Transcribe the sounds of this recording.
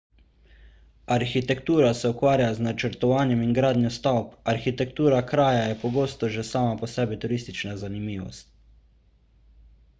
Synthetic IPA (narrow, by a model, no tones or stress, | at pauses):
aɾxit̪ɛkt̪uːɾasɛukʋaːɾjaznat͡ʃəɾt̪ɔʋaːnjɛmiŋɡɾaːd̪nʲjɔst̪awpaɾxit̪ɛkt̪uːɾakɾaːjajɛpɔɡoːst̪ɔʒɛsaːmapɔsɛːbit̪uɾiːst̪it͡ʃnazanimiːʋɔ̰st̪̚